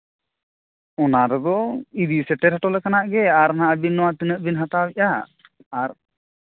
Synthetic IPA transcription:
ɔnaɾɛd̪ɔid̪isɛʈɛɾɦaʈɔlɛkanaʔɡɛaɾnaʔabinːɔwat̪inəʔbinɦat̪awɛʔaː | ɾ

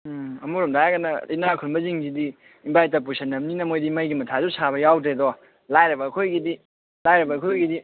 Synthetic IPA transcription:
ɐmuɾɔmdaaɡɐnɐḭnakʰunmbɐziŋzidi | imbajtɐp̬usʰɐnːɐmninɐmojdimɐjɡimɐtʰazusʰabɐjawdedɔ | lajɾɐbɐːkʰojɡidi | lajɾɐbɐːkʰojɡidi

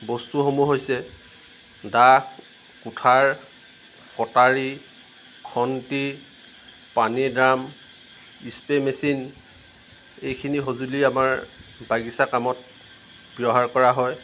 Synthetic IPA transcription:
bɔstuxomuɦojsɛ | dax | kutʰaɹ | kɔtaɹi | kʰɔnti | panidɹam | ispemesin | ejkʰiniɦozuliamaɹbaɡisakamɔt̚ | b̥jɔɦaɹkɔɹaɦɔj

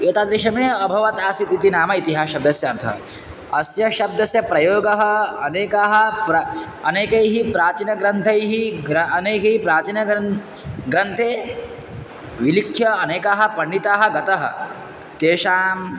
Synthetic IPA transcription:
eːt̪aːd̪ɾiʃɐmeɐbʱɐʋɐt̪aːsit̪it̪inaːmɐit̪iɦaːʃɐb̚d̪ɐsjɐɐnt̪ʰɐ̰ | ɐsjɐʃɐb̚d̪ɐsjɐpɾɐjoːɡɐɦɐɐ̰neːkaɦɐ̆pɾɐ | ɐneːkɐjɦipɾaːt͡ʃinɐɡɾɐnt̪ʰɐjɦiɾɐɐneːkɐɦipɾaːt͡ʃinɐ | ɡɾɐnt̪ʰeː | ʋilikʰjɐɐneːkaːɦɐ̆pɐɳːit̪aːɦɐ̆ɡɐt̪ɐɦɐ̰̆ | t̪eːʃaːm

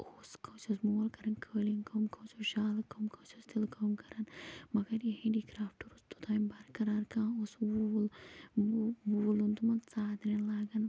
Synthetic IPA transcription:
oːskɐwt͡ʃosmoːlkɐɾɐnkʰəːlinkʰɐmkʰɐwt͡ʃoʃaːlɨkɐmkʰɐwt͡ʃost̪ilkʰɐmkɐɾɐnmɐɡɐɾjehẽɖiːkɾaːfʈuɾust̪u̥t̪ʰaːmbɐɾkɐɾaːɾkãːoswuːl | buːlunt̪umɐnt͡saːd̪ɾenlaːɡɐn

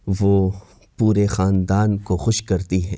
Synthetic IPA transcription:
ʋoː | puːɾexaːnd̪aːnkoxʊʃkɐɾt̪iɦɛ̰̃ː

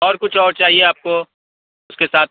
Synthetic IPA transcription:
ɔːɾkʊt͡ʃʰɔːɾt͡ʃaːɦieaːp̚ko | ʊskesaːt̪̚

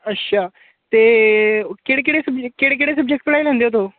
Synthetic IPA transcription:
ətːɕʰa | t̪e | keɽek̬iɽesəbkeɽekiɽesəb̚d͡ʑek̚ʈpəɽãjlãnd̪jot̪̬o

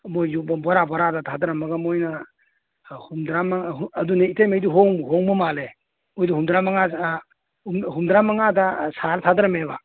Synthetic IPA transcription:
mojːubɐbɔɾabɔɾadatʰadɾɐmɐɡɐmojnɐ | humdɾamaŋːduneitajmejduɦoŋɦɔŋbɔmale | ojduhumdɾamaŋa | umhumdɾamaŋadasaɾtʰadɾɐmeba

